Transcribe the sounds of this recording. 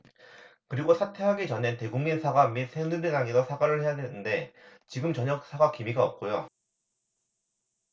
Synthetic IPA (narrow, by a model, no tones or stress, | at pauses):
kɯɾiɡosʰatʰe̞ɦaɡet͡ɕʌnente̞ɡuŋminsʰaɡamisʰenɯdɯnaŋidosʰaɡaɾɯɭhe̞jadwe̞nɯnde̞t͡ɕiɡɯmt͡ɕʌɲʌk̚s͈aɡakimiɡaʌ̰p̚k͈ojo